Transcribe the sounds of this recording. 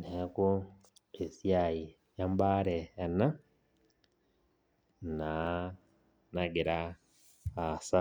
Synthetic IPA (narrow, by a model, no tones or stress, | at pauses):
neako | esjaji | jambaɾeana | na | naɡiɾa | asa